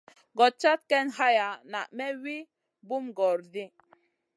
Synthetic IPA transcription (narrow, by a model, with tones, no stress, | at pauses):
ɡɔ˨t̚t͡ʃa˦t̪̚kɛ˦nɦa˦ja˨na˨ʔmɛ˦wi˦ | bu˦mɡɔ˨ɾdi˦